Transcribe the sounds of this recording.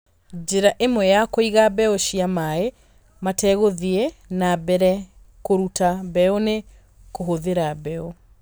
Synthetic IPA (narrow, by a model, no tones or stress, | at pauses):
d͡ʒeɾaʔemwɛjakoiɣabɛɔʃiamae | matɛɣoðiɛnabɛɾɛ | koɾutabɛone | koɦoðeɾabɛɔ